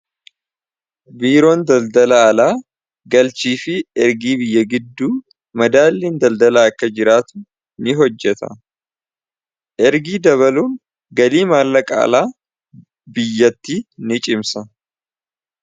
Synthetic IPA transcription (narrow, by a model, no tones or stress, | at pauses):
biːɾo̞ːnd̪ɐld̪ɐlɐːlaː | ɡɐlt͡ʃiːfɪɛɾɡiːbɪjːɐɡɪd̪ːuː | mɐd̪aːlːeːnd̪ɐld̪ɐlaːɐkːɐd͡ʒɪɾaːt̪ʊ̥ | nɪɦɔd͡ʒːɛt̪ɐ̰ | ʔɛɾɡiːd̪ɐβɐluːn | ɡɐliːmaːlːɐkʼa̰ːlaː | bɪjːɐt̪ːiːnɪt͡ʃʼɪmsɐ